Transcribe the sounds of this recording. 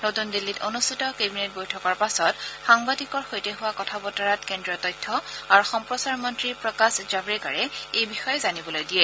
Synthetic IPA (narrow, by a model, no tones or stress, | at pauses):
notundilːitonustʰitɔkebinet̚bojtʰɔkɔɹpasɔtxaŋbadikɔɹxojteɦʊwakɔtʰabɔtaɹatkendɹiɔtɔjtʰːɔaɹuxɔmpɹɔsaɹmɔntɹipɹɔkasd͡ʒabɹika̰ɹɛejbixɔjɛzanibɔlojdijɛ